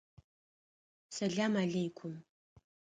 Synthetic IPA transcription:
sɐɮaːmaɮɐjkʷʰʊm

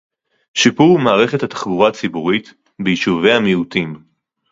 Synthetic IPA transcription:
ʃipuʁmaːʁe̞χethat̪ḁχbuʁat͡sibuʁit̪ | bejiʃuve̞jhamiut̪im

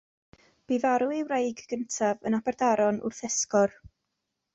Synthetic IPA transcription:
b̥ivaɾuiwrejɡɡ̥əntʰavənabɛrdaɾɔnʊ̰rθɛskɔr

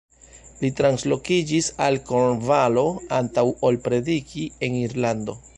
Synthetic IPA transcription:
litɾanslo̞kid͡ʒisalkonvalo̞antawolpɾe̞dikie̞niɾlando̞

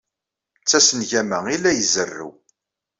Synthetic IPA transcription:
t͡sːæsənʝæmæilːæjzərːṵw

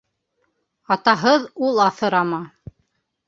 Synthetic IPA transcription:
ɑt̪ɑɦɤðulˠɑθɤ̆ɾɑmɑ

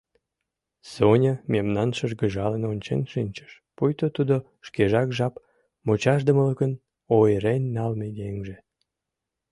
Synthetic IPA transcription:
sonʲəmemnɑnʃəʒɡəʒɑlənonʲt͡ɕḛnʃinʲt͡ɕə̥ʃ | pujt̪ot̪ud̪o | ʃkeʒɑkʒɑp | mot͡ɕɑʃd̪əmələkən | ojɾenʲːɑlmeɡ̪eŋʒe

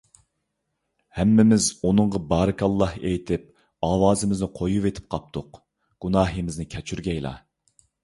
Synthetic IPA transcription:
hɛmːɪmɪzunɨɴʁɑbɑːɾɨkʰɑlˠːɑhejt̪ʰɪp̚ | ɑːwɑːzɪmɪznɪqʰojuvet̪ʰɪ̥p̚qʰɑp̚t̪ʰʊq | ɡ̥unɑːɦimɪznɪkʲʰɛt͡ʃʰyɾɡʲɛjlˠɑ̰

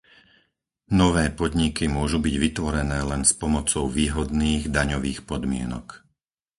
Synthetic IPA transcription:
nɔʋɛːpɔd̪ɲikimʊɔʒubiɟʋit̪ʋɔɾɛnɛːlɛnspɔmɔt͡sɔʊʋiːɦɔd̪niːɣd̪aɲɔʋiːxpɔd̪mɪɛ̰nɔ̰k

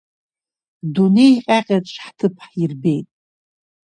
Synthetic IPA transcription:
dune̞jqʲʼaqʲʼetʼʂʰħtʰɨpʰħirbe̞jtʼ

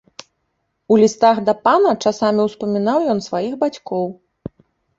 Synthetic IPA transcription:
ulʲist̪aɣd̪ɐpanɐt͡ʂasamʲiwspɐmʲinawjɔnsvajixbat͡sʲkɔw

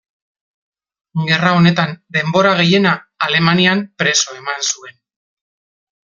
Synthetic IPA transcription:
ɡe̞rao̞ne̞t̪and̪e̞mbo̞ɾaɣe̞je̞naːle̞maniampɾe̞so̞e̞mansue̞n

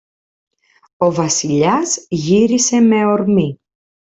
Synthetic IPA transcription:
o̞vɐsiʎɐzʝiɾise̞me̞o̞ɾmi

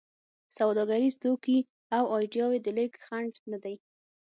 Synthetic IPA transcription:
sawd̪ɑɡaɾist̪oki | awɑjɖjɑwed̪əlɪkxaɳɖnad̪aj

